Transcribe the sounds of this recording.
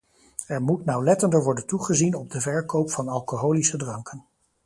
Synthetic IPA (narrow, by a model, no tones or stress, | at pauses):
ɛɹmutnawlɛtəndəɹʋɔɹdəntuχəzinɔb̚dəvɛɹkowpfɑnɑlˠkoɦowlisədrɑŋkən